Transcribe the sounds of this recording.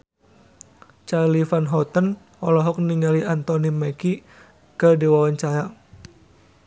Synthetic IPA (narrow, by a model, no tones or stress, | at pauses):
t͡ʃalifanɦɔt̪ən | ɔlɔɦɔk̚niŋaliʔant̪ɔnimɛki | kədiwawaɲt͡ʃaɾa